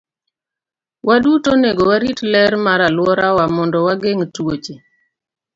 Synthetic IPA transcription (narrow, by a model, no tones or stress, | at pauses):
wadutoneɡowaɾitlɛɾmaɾalwɔɾawamɔndɔwaɡeŋtwot͡ʃe